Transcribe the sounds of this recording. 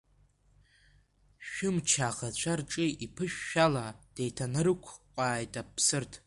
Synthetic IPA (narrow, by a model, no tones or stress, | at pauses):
ʃᶣʊmt͡ʃʰaʁat͡ʃʷʰarʈ͡ʂʼiipʰɨʃᶣːalad̥ejtʰanɨrɨkʷʰqʷʼaːjtʼapʰsɨrtʰ